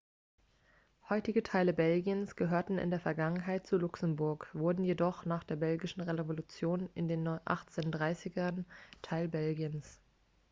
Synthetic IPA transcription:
hɔʏtɪɡətʰaɪləbɛlɡiənsɡ̥əɦøːɐtn̩ɪ̰ndeːɐfɛɐɡaŋənɦaɪt̚t͡sulʊksəm̩bʊɐkv̥ʊɐdn̩jedɔχnaːχd̥eːɐbɛlɡɪʃn̩ʁevevolut͡sjoːnɪndeːnːɔʔa̰χt͡seːndʁaɪsɪɡɐntʰaɪlbɛlɡiəns

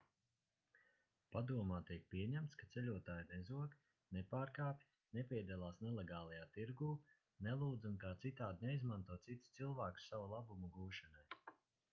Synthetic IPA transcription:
pad̪uɔmaːt̪iɛk̚pʲiɛɲæmt̪skat̪selʲuɔt̪aːjnezuɔk | nepaːɾkaːpʲj | nepʲiɛd̪ɛlˠaːsnelˠeɡaːlˠajaːt̪iɾɡuː | nelˠuːd̪zunkaːt̪sit̪aːd̪ineizmant̪uɔt̪sit̪st̪silˠvaːku̥ssavulˠabumuɡuːʃanaj

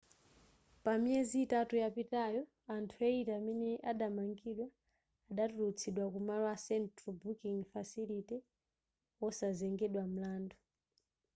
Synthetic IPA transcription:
pamiɛziːtatujapitajɔ | antʰuɛitaːmɛnɛʔaɗamaŋɡiɗwaː | ɗatulut͡sʰiɗwakumalwasɛntɾɔbukiŋfasilitɛ | wɔsazɛŋɡɛɗwam̩laːndɔ

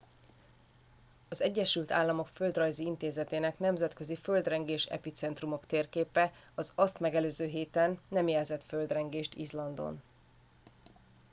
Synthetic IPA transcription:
ɒzɛɟːɛʃylt̪a̰ːlːɒmo̞kføld̪rɒjziint̪eːzɛt̪eːnɛknɛmzɛt̪kø̞zifø̞ld̪rɛŋɡeːʃɛ̰pit̪sɛnt̪rumo̞kt̪eːrkeːpɛ | ɒzɒst̪mɛɡɛløːzøːɦeːt̪ɛnːɛmjɛlzɛt̪fø̞ld̪rɛŋɡeːʃt̪ḭzlɒnd̪o̞̰n

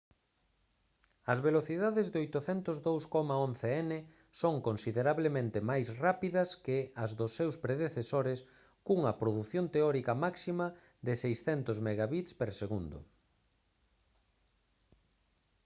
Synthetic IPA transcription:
ɐzβeloθiðaðɪzðojt̪ʊθɛnt̪ʊzðowskɔmaon̟θeɛnɪ | soŋkonsiðeɾaβlemẽnt̪ɪmajsrapiðɐskɪɐzðʊsːewspɾeðeθesoɾɪs | kuŋɐpɾoðuθjont̪eɔɾikɐmaksimɐ | ðɪsejsθɛnt̪ʊzmeɣaβit̪speɾseɣund̪ʊ̰

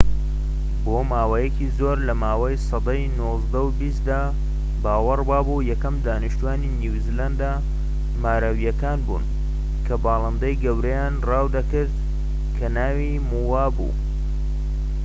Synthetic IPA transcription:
bomaːwɐjɛkʰiːzoːɾlɐmaːwɐjsɑd̪ɑjnozd̪ɐwbis̚d̪aː | baːwɨrbaːbujɛkɐmd̪aːniʃt̪uaːniniwziland̪a | maːɾɐwijɐkaːnbṵːn | kʰɐbɑːlˠɨnd̪ɐjɡɐwɾɐjaːnraːwd̪ɐkɨɾd̪ | kʰɐnaːwi | muwaːbṵː

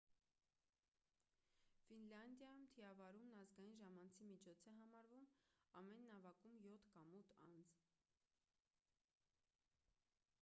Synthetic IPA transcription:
finlɑnd̪jɑjumt̪ʰiɑvɑɾumnɑzɡɑjinʒɑmɑnt͡sʰimit͡ʃʰɔt͡sʰɛɦɑmɑɾvumɑmɛnːɑvɑkumjɔt̪ʰkɑmut̪ʰɑ̰nd͡z

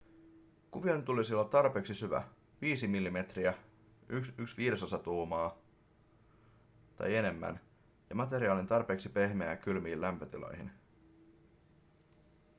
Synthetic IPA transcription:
kuʋiɑnt̪ulisiolːɑt̪ːɑrpe̞ːksisyʋæ̰ | ʋiːsimilːime̞t̪riæ | yksyksʋiːɾe̞sosɑt̪uːmɑː | t̪ɑ̰je̞ne̞mːæ̰n | jɑmɑt̪e̞ɾiɑːlint̪ɑrpe̞ːksipe̞hmeækylmiːlːæmpø̞t̪ilo̞̰jɦḭn

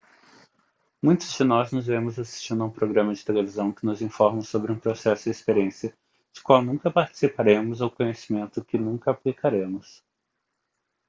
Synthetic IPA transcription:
mũj̃t̪ʊzd͡ʒɪnɔznʊzvemʊzasi̥st͡ʃĩnd̪ʊũpɾoɡɾɐ̃mɐd͡ʒɪt̪elevizɐ̃w̃kɪnʊzĩfɔɾmɐ̃sobɾɪũpɾosɛsʊɪespeɾiẽsiɐ | d͡ʒɪ̥kwawnũkɐpaɾt͡ʃɪ̥sipaɾẽmʊzaʊkõɲesimẽnt̪ʊkɪnũŋkɐaplikaɾẽmʊs

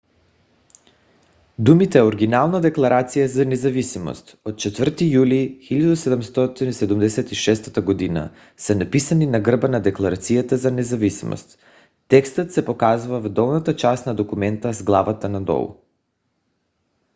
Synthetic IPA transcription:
d̪umit̪ɛoɾɡinalˠnad̪ɛklˠaɾat̪sijazanɛzavisimo̰st̪ot̪̚t͡ʃɛt̪vər̩t̪ijulixilʎʲad̪usɛd̪ɛmst̪ɔt̪inisɛd̪umd̪ɛsɛt̪iʃɛst̪at̪aɡod̪ina̰ | sɛnapisaninaɡr̩banad̪ɛklˠaɾat̪sijat̪azanɛzavisimo̰st̪ː | ɛkst̪ət̪sɛpokazuvavd̪ɔlˠnat̪at͡ʃast̪nad̪okumɛnt̪azɡlˠavat̪anad̪ɔ̰l̰ˠ

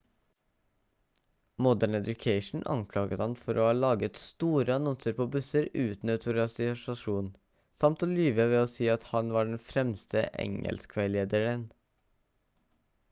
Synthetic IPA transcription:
mɔd̪əɳɛd̪ʊkʰeɪʃn̩ʔɑ̰ŋkʰlɑːɡət̪hɑnfɔɾʔo̰ːhɑːlɑːɡət̪st̪uːɾəɑnɔnsəɾpʰoːbʉsəɾʉːt̪n̩ət̪ʰʊɾɑsɪsɑʃuːn | sɑmt̪oːlyːʋəʋeːoːsiːɑt̪hɑnʋɑːɖɛɳ̩fɾɛmst̪əʔɛ̰ŋə̰lskʰʋæɪleːd̪əɹən

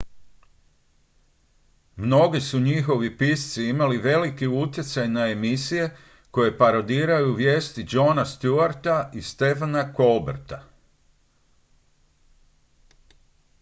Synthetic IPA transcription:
mno̞ɡisuɲixo̞ʋipist̪siimaliʋe̞likiut̪̬je̞t̪sajnae̞misije̞ | ko̞je̞paɾod̪iːɾajuʋje̞ːst̪id͡ʒo̞ːnast̪juaɾt̪aist̪e̞fanako̞lbḛɾt̪a

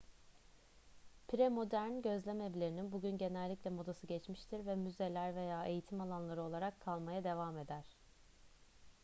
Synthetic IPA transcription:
pʰɾemo̞d̪æɾnɟø̞zlʲemeblʲe̞ɾininbuɟynɟe̞nɛlʲːiclʲɛmo̞d̪asɯɟɛt͡ʃmiʃt̪ʰiɾvɛmyze̞lʲæɾve̞jaːʔe̞jit̪ʰimalˠanlˠaɾɯo̞lˠaɾakʰːalˠmajad̪e̞vaːme̞d̪æɾ̥

